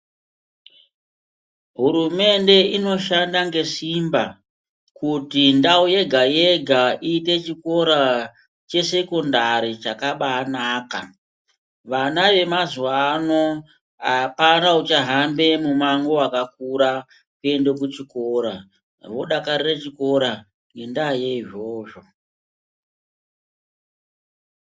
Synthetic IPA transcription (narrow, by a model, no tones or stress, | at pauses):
ɦuɾume̞nde̞ino̞ʃandaŋɡe̞simba | kutindauje̞ɡʱaje̞ɡʱaiːte̞t͡ʃiko̞ɾa | t͡ʃe̞se̞ko̞ndaɾit͡ʃakaɓanaːka̰ | ʋanaʋe̞mazuaːno̞ | ɦapanaut͡ʃaɦambe̞mumaŋɡo̞akak̚uɾa | kue̞ndekut͡ʃikoɾa | ʋo̞ɗakaɾiret͡ʃiko̞ɾa | ŋɡendajeiʐo̞ːʐo